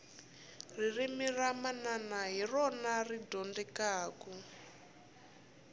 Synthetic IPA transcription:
r̤irimiramananaɦirɔnaridɔndɛkaːkɔ

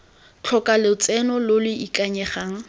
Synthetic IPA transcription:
t͡ɬʰɔkʼalɪʊt͡sʼɛnɔlolɪikʼaɲɛχaːŋ̩

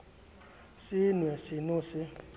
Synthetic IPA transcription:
sinĩɛsinũse

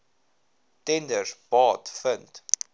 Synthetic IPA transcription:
tɛndərsbɑːtfənt

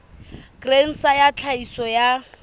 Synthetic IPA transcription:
ɡ̥ren̩sajat͡ɬʰaisɔja

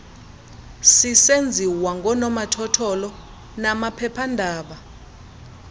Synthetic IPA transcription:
sisend͡zʱiwaŋɡʱɔnɔmatʰɔtʰɔlɔ | namapʰɛpʰandʱaːɓa

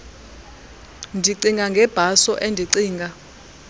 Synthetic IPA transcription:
ndʱiǀiŋɡaŋɡʱɛb̥ʱasɔʔendʱiǀiːŋɡʱa

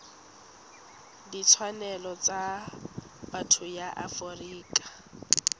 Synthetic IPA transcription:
dit͡sʰwanɛlɔt͡sʼa | batʰʊjaʔafɔriːkʼḁ

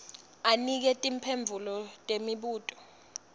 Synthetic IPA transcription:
anik̬ɛtʼimpʰeɱb̪vʱulɔtʼemiɓuːtʼɔ̥

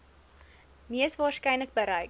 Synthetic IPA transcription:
miəsvɑːrskɛjnlək̚bəɾɛjk

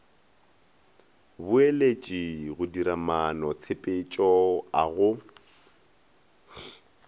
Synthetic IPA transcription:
bʊelet͡ʃʼiɣʊdiɾamanɔt͡sʰepʼet͡ʃʼɔaɣʊ

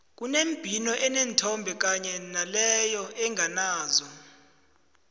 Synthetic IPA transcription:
k̬unemb̥ʱinɔʔɛnentʰɔmbʱɛk̬aɲɛnalɛjɔʔɛŋʱanaːzɔ

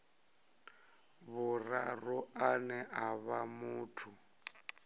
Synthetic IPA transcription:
βʊrarʊanɛʔaβamuːtʰu

